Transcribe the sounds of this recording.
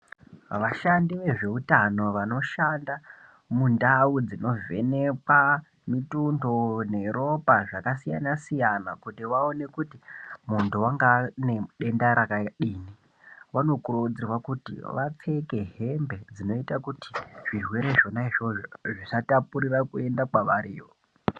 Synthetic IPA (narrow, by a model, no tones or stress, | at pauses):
ʋaʃandiʋe̞ʐe̞utano̞ʋano̞ʃanda | mundaud͡zino̞ve̞̰ne̞ka | mitundo̞ne̞ɾo̞paʐakasija̰nasijanakutiʋaone̞kutimuntuwaŋɡane̞ɗe̞ndaɾakaɗiːni | ʋano̞kurud͡zirwakutḭʋat͡se̞ke̞ɦe̞mbe̞d͡zino̞itakuti̥ʐ̥irwe̞ɾe̞ʐo̞naiʐo̞ʐoʐisatapuɾirakue̞ndakwaʋaɾiːʋo